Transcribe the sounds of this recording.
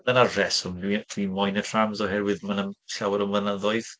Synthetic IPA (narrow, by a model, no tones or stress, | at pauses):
ðənarɛsɔmdwid̥wimɔjnətʰr̥amzɔɦɛɾwɪðmanəmɬawəɾənvənəðɔɨð